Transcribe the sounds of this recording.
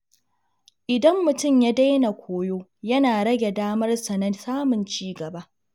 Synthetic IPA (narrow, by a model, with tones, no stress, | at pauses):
ʔɪ˨dɐ˦mːʊ˨tʊ˦˨mja˦da˦jna˨kʷʰoː˦joː˦jɐ˦naː˨ɽɐ˦ɡʲe˨daː˦mɐ˦rsɐ˨nɐ˦nsaː˦mʊ˨nt͡ʃiː˦ɡɐ˨ba˦ʔ